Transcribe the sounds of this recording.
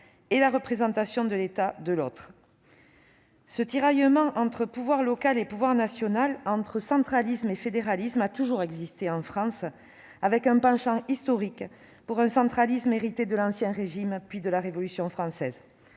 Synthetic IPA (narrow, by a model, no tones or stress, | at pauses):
elaʁəpχezɑ̃t̪asjɔ̃d̪əlet̪ad̪əlɔt̪χ | sət̪iʁajəmɑ̃ʔɑ̃t̪χəpuvwaʁlɔkalepuvwaʁnasjɔnalɑ̃t̪χəsɑ̃t̪χalismefed̪eʁalismat̪uʒuʁɛɡzist̪eɑ̃fχɑ̃s | avɛkɛ̃pɑ̃ʃɑ̃ist̪ɔʁik | puʁɛ̃sɑ̃t̪χalismeʁit̪ed̪əlɑ̃sjɛ̃ʁeʒimpɥid̪əlaʁevɔlysjɔ̃fχɑ̃sɛz